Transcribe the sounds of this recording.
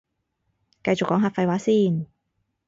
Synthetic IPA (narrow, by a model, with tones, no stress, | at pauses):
kɐ˧jt͡sʊ˨kːɔː˨˥ŋɦaː˧˩fɐ˧jwaː˨˥siː˥˩n